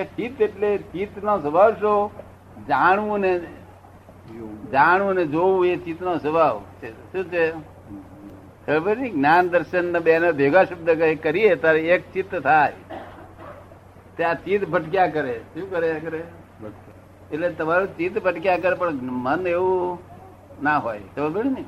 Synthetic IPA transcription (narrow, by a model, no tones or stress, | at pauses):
et͡ʃit̪eʈlet͡ʃit̪nosəbʱaʋʃo | d͡ʒaɳ̃ʋũne | d͡ʒaɳ̃ʋũned͡ʒoʋũet͡ʃit̪nõsəbʱaʋt͡ʃʰeʃũt͡ʃʰe | t̪ʰəbəɾniɡnand̪əɾʃənːəbeanab̪ʱeɡaʃəbd̪ʱəkəkəɾijet̪aɾiekt͡ʃit̪ət̪ʰaj | t̪at͡ʃit̪bʱəʈkjakəɾeʃũkəɾekəɾe | eʈlet̪əmaɾũt͡ʃit̪bʱəʈkjak̬əɾepəɳməneʋu | naɦojsəbbəɽini